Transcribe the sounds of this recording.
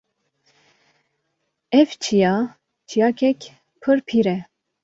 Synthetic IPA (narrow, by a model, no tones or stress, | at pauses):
ɛft͡ʃʰijɑ | t͡ʃʰijɑkʰɛkʲ | pʰɨɾpʰiɾɛ